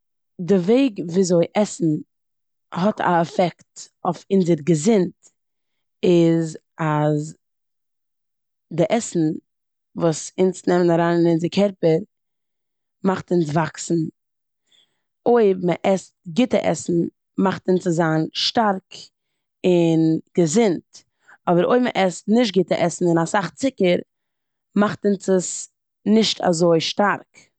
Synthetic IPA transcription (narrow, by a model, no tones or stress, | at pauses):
dɪveɪɡviːzoɪʔɛsn̩ | ɦɔtʰa̰ɛfɛkt | ofɪnzəɾɡəzɪnt | ɪz | az | dɪʔɛsn̩ | vuːsɪnsnɛmənaɾaːnɪnɪnzɪkʰɛɾpəɾ | maχtɪns̬vaksn̩ | oɪbməʔɛstɡɪtəʔɛ̰sn̩ | maχtɪnt͡səzaːnʃtaɾk | ɪnɡ̥əzɪnt | ɔbəɾo̰ɪmə̰ʔɛstnɪʃ̬t̚ɡɪtəʔɛsn̩ɪnasaχt͡sɪkəɾ | maχtɪnsəs | nɪʃtʰa̰zoɪʃtaɾk